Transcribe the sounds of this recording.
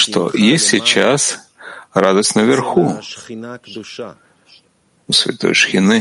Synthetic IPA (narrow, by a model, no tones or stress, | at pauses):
ʂt̪o̰jesʲtʲsʲɪt͡ɕas | rad̪əsʲtʲnəvʲɪrxu | usʲvʲɪ̰t̪o̰jʂxʲɪnɨ